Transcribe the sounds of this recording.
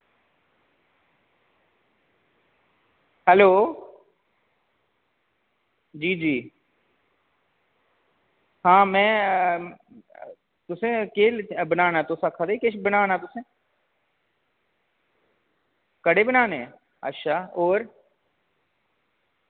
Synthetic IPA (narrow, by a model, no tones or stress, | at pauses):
hɛloː | d͡ʒiːd͡ʒiː | hãːmɛ̃ː | t̪ʊsẽːkeːlbənaːnaːt̪ʊsakʰaːd̪eikɪʃbənaːnãːt̪ʊsẽː | kəɽeːbənaːne | ə̰ʃaːoːɾ